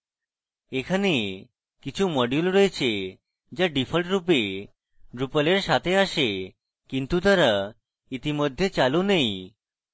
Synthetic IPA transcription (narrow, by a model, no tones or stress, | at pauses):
ekʰane | kit͡ʃʰumɔɖjulɾɔet͡ɕʰe | d͡ʒaɖipʰəlʈɾup̬e | ɖɾupəleɾsat̪ʰeaʃe | kint̪ut̪aɾa | it̪imɔd̪ʱːjet͡ʃalonej